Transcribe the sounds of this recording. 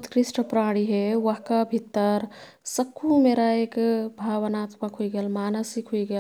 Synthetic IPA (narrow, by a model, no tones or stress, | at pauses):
t̪kɾisʈəpɾaɽ̃iɦeʋəɦkabʱit̪ːəɾ | səkʰːumeɾaekbʱaβənat̪makɦuiɡelmanəsikɦuiɡel